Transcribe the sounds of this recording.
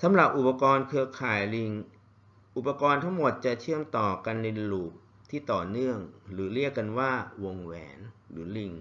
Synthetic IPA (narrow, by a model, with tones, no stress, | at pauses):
sʰa˨˦mɾa˨˩p̚ʔu˨˩pːa˧kɔː˧nkʰɯ˧ɐkʰaː˨˩jli˧ŋ | ʔu˨˩pːa˧kɔː˧nt̪ʰa˦˥ŋmo˨˩t̪̚t͡ɕa˨˩t͡ɕʰɯ˥˩əmt̪ɔː˨˩ka˧nːe˧luː˨˩p̚ | t̪ʰiː˥˩t̪ɔː˨˩nɯ˥˩əŋɾɯː˩˦ɾi˥˩əkːa˧nwaː˥˩wo˧ŋwɛ̰ː˩˦nɾɯː˩˦li˧ŋ